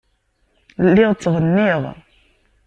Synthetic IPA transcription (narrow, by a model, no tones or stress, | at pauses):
lːiʁt͡sːʁənːiʁ